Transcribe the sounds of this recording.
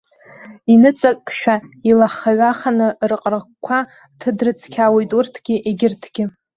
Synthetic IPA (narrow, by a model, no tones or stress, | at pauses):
inɨt͡sʼakʼʃᶣailaχaɥaχanɨrqʼrkʷʰa | tʰɨdrɨt͡sʰkʲʰawejtʼurtʰɡ̥ʲɪʔeɡʲɪrtʰɡʲɪ